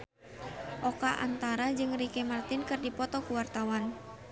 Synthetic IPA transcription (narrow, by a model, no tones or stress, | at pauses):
ʔɔkaʔa̰nt̪aɾad͡ʒɨŋrikɛmart̪ɪnkɨrdipɔt̪ɔkuwart̪awan